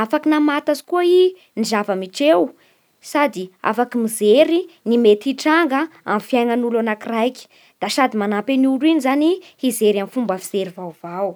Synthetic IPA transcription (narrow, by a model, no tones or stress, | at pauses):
afakinamat̪azi̥kuai | nizavəmiʈ͡ʂew | sad̪ia̰fakimizeɾinimet̪iʈ͡ʂaŋɡəa̰mfjajŋanulanakirajki̥ | d̪̥aʃad̪imanapenuɾuinizanihizeɾamifumbafizeɾivawvaw